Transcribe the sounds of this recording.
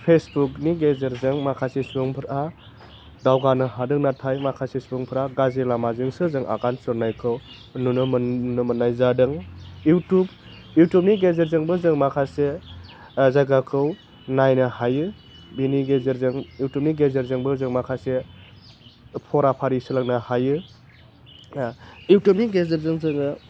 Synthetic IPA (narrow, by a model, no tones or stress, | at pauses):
pʰesbukniɡezeɾzɯŋmakʰasespɯŋpʰɯɾa | dawɡanɯɦadɯk̚natʰajmakʰasespɯŋpʰɯɾaɡazelamazɯŋsɯzɯŋʔa̰ɡansɯɾnajkʰɯw | nunɔmnɯmɐnːajzadɯŋjutub | jutup̚niɡezeɾzɯŋbɯzɯŋmakʰase | zaɡakʰɯw | najnɐhajɯ | biniɡezeɾzɯŋjuwtup̚niɡezeɾzɯŋbɯzɯŋmakʰase | pʰɔɾapʰaɾisɯlak̚nahajɯ | iwtupniɡezeɾzɯŋzɯŋɯ